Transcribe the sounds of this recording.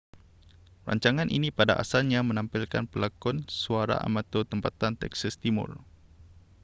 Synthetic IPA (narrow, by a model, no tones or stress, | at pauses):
ra̰ɲt͡ʃaŋãnʔḭnipadaʔa̰salɲãmə̃nãmpilkanpəlakɔnsuaɾa̰ʔa̰mãt̪ot̪əmpat̪ant̪ɛ̰ksast̪imʊ̰r